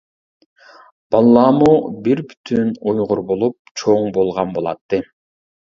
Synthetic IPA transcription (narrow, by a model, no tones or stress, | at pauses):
b̥ɑlˠːɑmubiɾby̥t̪ʰynujʁuɾbolˠup̚t͡ʃʰoŋbo̞lˠʁɑnbo̞lˠɑ̰t̪ːɯ